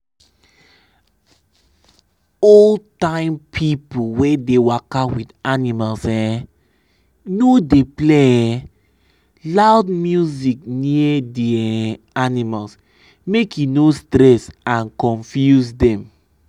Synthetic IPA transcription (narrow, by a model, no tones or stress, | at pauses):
oltãɪ̃mpʰipowedewakawidanimalsɛ | nodepleɛ | laʊdmjuzik̚niədɛ | animals | mekjunostɾɛsãnkɔ̃nfjusdɛ̃m